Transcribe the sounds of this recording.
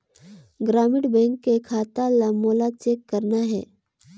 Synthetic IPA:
ɡɾaːmɪʈbɛ̃ːŋkːekʰaːt̪alamoːlat͡ʃeːkːɐɾnaɦɛ̰ː

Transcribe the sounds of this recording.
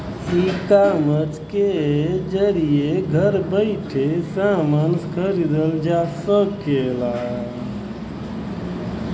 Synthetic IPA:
sikamət͡ʃked͡ʒəɾijeɡʱəɾbəɪʈʰesamənskʰəɾid̪əld͡ʒasəkːela

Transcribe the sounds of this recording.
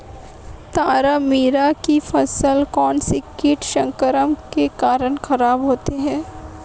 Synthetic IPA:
t̪aːɾamiːɾakifɐsəlkɔːnsɪkːɪʈʃə̃ŋkəɾəmkekaːɾənxɐɾaːbɦoːt̪eɦɛ̃ː

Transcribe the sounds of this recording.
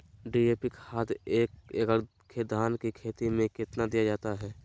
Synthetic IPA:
ɖiːeːpɪkhaːd̪eːkekəɽ | kʰeːd̪aːnkikʰeːt̪imẽkɪt̪nad̪ijad͡ʒaːt̪aɦɛː

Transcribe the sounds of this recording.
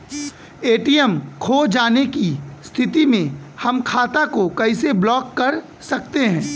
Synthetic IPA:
eːʈiɛmkʰoːd͡ʒaːnekist̪ʰɪt̪imẽhɐmkʰaːt̪akokɐɪseblɔːkːɐɾ | sɐk̚t̪eɦɛ̃ː

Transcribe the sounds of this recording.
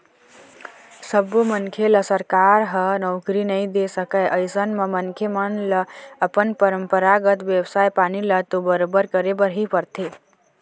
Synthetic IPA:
səbːumənkʰeləsəɾkaɾɦənɔʊkɾinəjd̪esəkəjʔəjsənmemənkʰemənləəpənpəɾəmpəɾaɡət̪ʋjebsajpanilət̪obəɾobəɾkəɾebəɾɦipəɾt̪ʰe

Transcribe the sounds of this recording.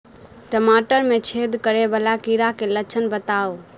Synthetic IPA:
ʈəmaːʈəɾmẽt͡ʃʰeːd̪kəɾebəlakiːɾakʰelət͡ʃʰənbət̪aːo

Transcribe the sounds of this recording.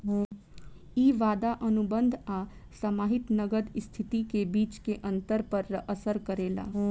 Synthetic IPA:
iːʋaːd̪aʔɐnʊbə̃nd̪ʱaː | sɐmaːɦɪt̪nɐɡəd̪ɪst̪ʰɪt̪ikebiːt͡ʃkeʔɐ̃nt̪əɾpɐɾːəʔəsəɾkəɾeːla̰ː

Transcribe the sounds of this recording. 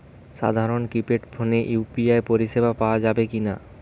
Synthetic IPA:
ʃa̰d̪ʱaɾonkɾipeʈpʰoneʔjupiaepoɾiʃebʱapaoad͡ʑabekina̰

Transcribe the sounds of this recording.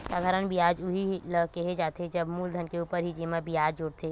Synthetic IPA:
saːd̪ʱaːɾənbijaːd͡ʒʊɦiləkeɦed͡ʒaːt̪ed͡ʒɐbmuːld̪ʱənkeuːpəɾɦid͡ʒeːmabijaːd͡ʒd͡ʒʊɽt̪ʰeː

